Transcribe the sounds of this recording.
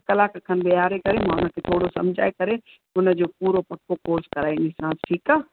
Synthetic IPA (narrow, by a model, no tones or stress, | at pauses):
kɐlaːkkʰənbɪaːɾekɐɾemãːʊnəkʰet̪ʰoːɽosɐ̰̃md͡ʒʱa̰ːekɐɾe | ʊnəd͡ʑoːpuːɾopɐkʰːokoːɾskɐɾaːĩnisãːsʈʰiːkaː